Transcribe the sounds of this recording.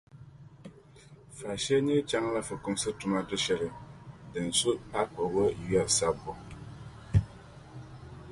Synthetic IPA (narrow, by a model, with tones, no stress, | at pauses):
fa˨ʃɛ˦ɲɛ˦t͡ʃa˦ŋ˦la˦fɨ˨kʊ˦msɨ˦tʊ˨ma˦dɨ˦ʃɛ˨lɨ˨dɨ˨n̩˨su˦a˦k͡pɔ˨wo˦ji˦a˨sa˦bɔ˨